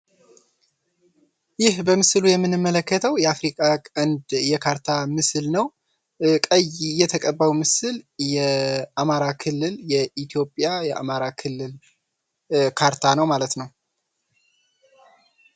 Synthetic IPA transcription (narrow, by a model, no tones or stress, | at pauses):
jɪhbəmɨslujɛmːɨnːɨmːələkːət̪ʰəwjɛafɾikʼakʼənd̪jɛkʰaɾt̪ʰamɨsɨlnəw | kʼəjjɛt̪ʰəkʼəbːawmɨsɨljɛamaɾakʰɨlːɨljɛʔit̪ʰijo̞pʼjajɛʔa̰maɾakʰɨlːɨl | kʰaɾt̪ʰanəwmalət̪nəw